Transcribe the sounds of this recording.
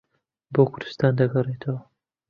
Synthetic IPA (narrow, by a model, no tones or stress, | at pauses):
bokʰʊɾd̪ɨ̥st̪aːnd̪ɐɡɐret̪ʰɐwɐ